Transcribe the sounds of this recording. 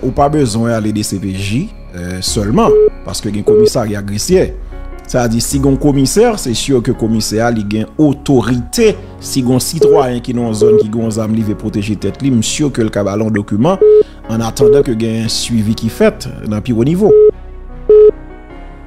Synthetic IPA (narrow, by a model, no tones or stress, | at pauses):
upabøzwɛ̃aled̪esepeʒi | sœlmɑ̃pa̰ʁskøɡɛ̃komisaʁjaɡʁesjeset̪ad͡ziʁsiɡɔ̃komisɛʁsɛsyʁkøkomisɛaliɡɛ̃ot̪oʁit̪e | siɡɔ̃sit̪wajɛ̃kinɔ̃ɔ̃zɔnkiɡɛ̃ɔ̃zamlivepʁot̪eʒet̪ɛt̪limsyʁkølkabaleɔ̃d̪okymɑ̃ː | nat̪ɑ̃d̪ɑ̃køɡɛ̃ɛ̃sɥivikifɛt̪nɐ̃pionivo